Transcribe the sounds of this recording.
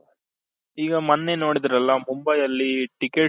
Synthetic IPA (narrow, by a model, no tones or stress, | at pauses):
iːɡɐmɐnːenoːɽid̪iɾɐlːɐmumbɐjɐlːiʈɪkːe